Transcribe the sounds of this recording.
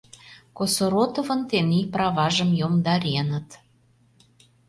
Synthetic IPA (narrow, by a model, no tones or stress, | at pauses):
kosoɾot̪ovə̆nt̪eniprɑβɑʒəmjomd̪ɑɾʲenət̪